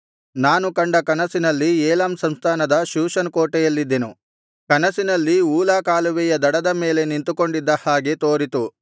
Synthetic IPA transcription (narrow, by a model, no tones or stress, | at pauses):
naːnukɐɳɖɐkɐnɐsinɐlːiɛːlaːmsɐmst̪ʰaːnɐd̪ɐʃuːʃɐnkoːʈɛjɐlːid̪ːenu | kɐnɐsinɐlːiuːlaːkaːluʋɛjɐd̪ɐɽɐd̪ɐmeːle̞nint̪uko̞ɳɖid̪ːɐhaːɡe̞t̪oːɾit̪u